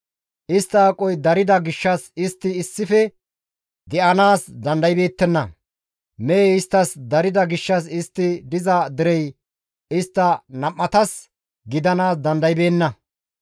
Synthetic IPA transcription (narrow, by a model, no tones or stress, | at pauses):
ʔɪst̪ːɐːkʼɔjd̪ɐɾɪd̪ɐɡɪʃːɐsɪst̪ːɪːsːɪfɛ | d̪ɛʔɐnaːsd̪ɐnd̪ɐjbe̞ːt̪ːɛnːɐ | mɛːɪst̪ːɐsd̪ɐɾɪd̪ɐɡɪʃːɐs̬ɪst̪ːɪd̪ɪzɐd̪ɪɾɛj | ɪst̪ːɐnɐmːɐt̪ɐs | ɡɪd̪ɐnaːsd̪ɐnd̪ɐjbe̞ːnːɐ